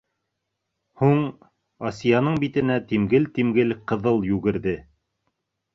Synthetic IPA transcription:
huɴ | ɑsʲijɑnɤɴbit̪ɘ̆næt̪imɡɘlt̪imɡɘlqɤ̆ðɤlˠjʉɡɘ̆ɾðɘ

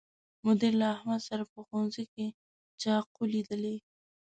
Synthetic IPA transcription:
mʊd̪ɪɾlaːhmad̪saɾapəxonzejke | t͡ʃɑqolid̪əle

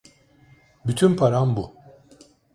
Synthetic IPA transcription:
byt̪ʰynpʰaɾambu

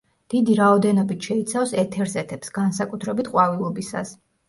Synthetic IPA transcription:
d̪̥id̪iɾaɔd̪ɛnɔbit̪ʰʃɛit̪sʰafsɛt̪ʰɛɾzɛt̪ʰɛpsɡ̥ansakʼut̪ʰɾɛbit̪ʰqʼwavilˠɔbisa̰s

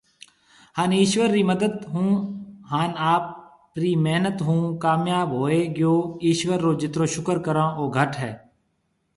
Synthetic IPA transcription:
haːniːʃwəɾːiməd̪əd̪ɦũːɦaːnaːp | ɾiːmeɦnət̪ɦũːkaːmjaːbɦoːeɡjoːiːʃwəɾːoːd͡ʒɪt̪ɾõːʃʊkəɾkəɾãːʔoːɡʱəʈɦɛː

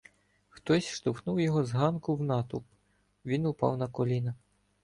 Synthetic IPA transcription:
xt̪ɔsʲʃt̪ʊxnuwjɔɦɔzɦɑnkʊwnɑt̪ʊp | ʋʲinʊpɑ̰wnɐkɔlʲinɐ

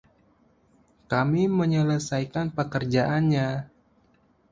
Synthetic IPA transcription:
kamiməɲələsajkanpəkərd͡ʒaʔanɲa

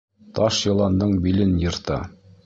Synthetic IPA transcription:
t̪ɑʃjɤ̆lˠɑnd̪ɤɴbilɘnjɤ̆ɾt̪ɑ̰

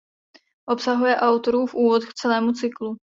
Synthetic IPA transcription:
ʔo̞psaɦujɛʔawt̪o̞ɾuːfʔuːvot̪kt͡sɛlɛːmut͡sɪklu

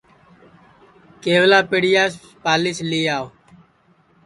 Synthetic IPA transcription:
keːʋlaːpeɽɪjaːs | paːliːsliːaːoː

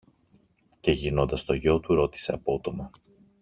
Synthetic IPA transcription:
ce̞ʝino̞nd̪ɐst̪o̞ʝo̞t̪uɾo̞t̪i̥se̞ɐpo̞t̪o̞mɐ

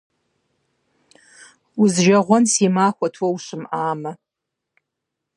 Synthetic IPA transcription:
uzʒaʁʷɔnsimaːxʷɐtʰwɐwʃʷɨmaːmɐ

